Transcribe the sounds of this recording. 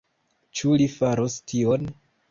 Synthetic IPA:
t͡ʃulifaɾostʰion

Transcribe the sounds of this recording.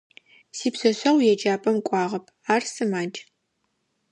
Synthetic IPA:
siːpsɐɕɐʁʷjɛd͡ʒaːpʼɐmkʷʼɑːʁɐpʰ | aːrsɨmaːd͡ʒʼ

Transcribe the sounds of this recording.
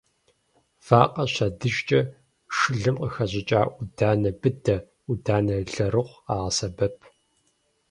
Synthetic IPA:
v̥aːqʼɐɕɐdɨʒt͡ʃʼɐ | ʂɨɮɨmqəxɐʑɪt͡ʃʼaːʔudaːnɐbɨdɐ | udaːnɐɮɐɾɨʁʷaːʁɐsɐbɐpʰ

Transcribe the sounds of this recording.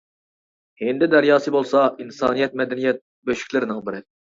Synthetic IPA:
hend̪ɪd̪ɛɾjɑːsɨbolˠsɑinsɑ̰ːnijɛt̪̚mɛd̪ɛnijɛt̪̚ | bøʃy̥kʲlɪɾɪnɪŋbɪɾɪ

